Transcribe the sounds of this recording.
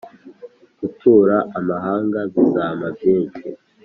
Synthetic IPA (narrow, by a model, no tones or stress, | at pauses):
ɡ̥utʰuːɾaʔamaɦaːŋɡazizaːmavjeːnʃi